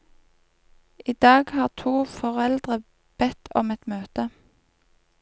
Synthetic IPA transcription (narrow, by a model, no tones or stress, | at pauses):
ʔiːd̪̥ɑːɡhɑːʁt̪ʰuːfɔʁɛld̪ʁə | b̥ɛt̪ʰɔ̰mɛt̪møːt̪ə